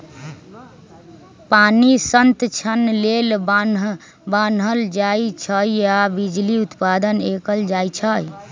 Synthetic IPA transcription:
panisənt̪t͡ʃʰənlelb | banɦəld͡ʒait͡ʃʰəjabid͡ʒliut̪pad̪ənekəld͡ʒajt͡ʃʰəj

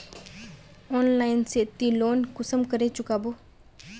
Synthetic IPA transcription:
ɔːnlaːɪnset̪ːiloːnkʊsəmkəɾet͡ʃʊkaːboː

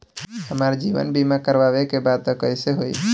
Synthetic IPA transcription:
həmaɾd͡ʒiːʋə̰nbimakəɾʋaʋekebad̪̚t̪ɔkəɪseɦoḭ

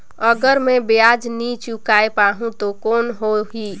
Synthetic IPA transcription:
əɡəɾmebead͡ʒnit͡ʃukaepaɦũt̪okonɦoɦi

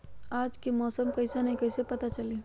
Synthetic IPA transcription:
aːd͡ʒkemɔːsəmkɐɪsanɐɦĩkɐɪsepɐt̪at͡ʃɐleː

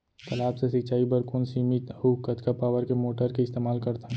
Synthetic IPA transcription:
t̪ɐlaːbsesɪt͡ʃaːibɐɾkʊnsiːmit̪ɦukɐt̪kapaːʋəɾkemoːʈəɾkeɪst̪eːmaːlkɐɾt̪aɦɛ̃

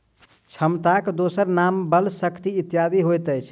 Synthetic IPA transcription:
t͡ʃʰəmt̪akd̪osəɾnambəlsəkt̪iːt̪jad̪iɦojt̪əjt͡ʃʰ

